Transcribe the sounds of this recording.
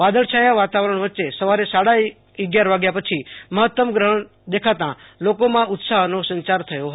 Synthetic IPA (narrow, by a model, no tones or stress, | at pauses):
ʋad̪əɭʃajaʋat̪aʋɾəɳ̃ʋətːʃesəʋaɾesaɽa | əɡjaɾʋaɡjapət͡ʃʰiməɦət̪ːəmɡɾəɦəɳ | d̪ekʰat̪ãlokomãʊt̪saɦnosə̃ɲt͡ʃaɾt̪ʰəjoɦə